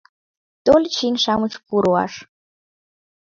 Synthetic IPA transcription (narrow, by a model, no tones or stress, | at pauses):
t̪olʲt͡ɕinʃɑmɨt͡ɕpuɾuɑ̰ʃ